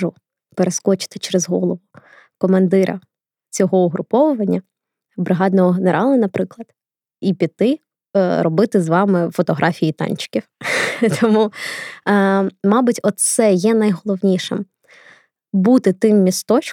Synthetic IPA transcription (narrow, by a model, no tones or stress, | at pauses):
ʊ | peɾeskɔt͡ʃɪ̥t̪ɪ̥t͡ʃeɾezɦɔ̰lˠɔʋʊ | kɔmɐnd̪ɪɾʔɐ̰ | t͡sʲɔɦɔʊɦɾʔʊpɔʋʊʋɐnʲːɐ | bɾɪɦɑd̪nɔɦɔɦeneɾʔɑlˠɐnɐpɾɪklˠɐd̪̥ | ipʲit̪ɪ | ɾɔbɪt̪ɪzʋɑmɪfɔt̪ɔɦɾʔɑfʲijit̪ɑ̰nʲt͡ʃɪ̥kʲift̪ʰɔmu | mɑbʊtʲɔt̪t̪sɛjɛnɐjɦɔlˠɔʋnʲiʃɪ̰m | but̪ɪt̪ɪmːʲist̪ɔt͡ʃ